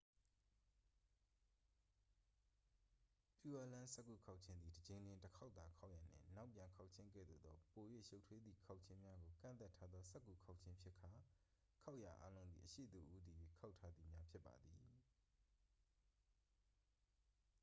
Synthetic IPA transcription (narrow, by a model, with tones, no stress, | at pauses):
pju˦ʔa˦lã˦sɛ˦ʔkːṵ˦˨kʰa˦ʊʔt͡ɕʰɪ̃˦nd̪i˨dəd͡ʑẽ˨ɪ̃ndɪ̃˨ntəkʰa˦t̪a˨kʰa˦ʊʔja˨nɪ̰̃˦˨na˦ʊpjã˨ŋkʰa˦ʊʔt͡ɕʰɪ̃˦ŋkɛ̰˦˨d̪o̰˨d̪ɔ˦po˨jwḛ˦˨ʃo˦ʊtʰwe˦d̪ði˨kʰa˦ʊʔ̚t͡ɕʰɪ̃˦mja˦ɡo˨kã̰˦˨nt̪a˦tʰːa˦d̪ðɔ˦sɛ˦kːu˦˨kʰa˦ʊʔt͡ɕʰɪ̃˦mpʰjɪ˦kʰa˨ | kʰa˦ʊʔja˨ʔa̰˦lõ˦ʊ̃nd̪i˨ʔəʃḛ˦˨d̪ṵ˨ʔu˦d̪i˨jwḛ˦˨kʰa˦ʊtʰːa˦d̪ði˨mja˦pʰjɪ˦pːa̰˨d̪ði˨